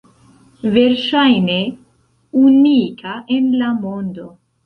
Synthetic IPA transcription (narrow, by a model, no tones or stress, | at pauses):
ve̞ɾʃajne̞ | unikʰaʔenlamo̞ndo̞